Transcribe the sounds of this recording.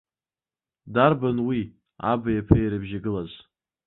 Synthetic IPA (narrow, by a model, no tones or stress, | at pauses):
darbanwi | a̰bajapʰajɾɨbʒaɡɨlaz